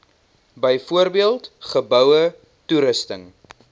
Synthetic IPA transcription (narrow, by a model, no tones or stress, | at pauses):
bəjfuəɾbiəlˠtχəbœwə | tuɾəstəŋ